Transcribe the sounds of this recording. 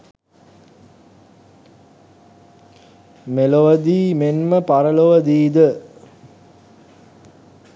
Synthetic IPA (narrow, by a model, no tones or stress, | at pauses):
meloʋəd̪iːmenməpaɾəloʋəd̪iːd̪ə